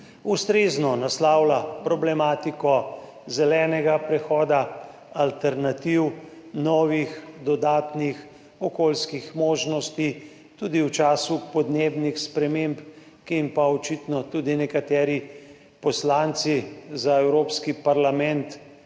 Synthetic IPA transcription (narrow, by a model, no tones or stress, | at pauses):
ust̪ɾeznɔnaslaːwlapɾɔblɛmaːt̪ikɔ | zɛlɛːnɛɡapɾɛxɔːd̪a | alt̪ɛɾnat̪iw | nɔːʋixd̪ɔd̪aːt̪nix | ɔkoːlskixmoːʒnɔst̪i | t̪ud̪iwt͡ʃaːsupɔd̪nebnixspɾɛmemp | kimpaɔt͡ʃit̪nɔt̪uːd̪inɛkat̪ɛːɾi | pɔslant̪sizaɛwɾoːpskipaɾlamɛnt̪